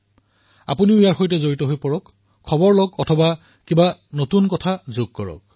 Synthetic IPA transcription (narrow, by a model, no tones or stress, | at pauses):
a̰puniʊejaɹxojtɛzoɹitɔɦojpɔɹɔkʰː | ɔbɔɹlɔɡɔtʰɔba | kibanotunkɔtʰazoɡ̚kɔɹɔ̰k̚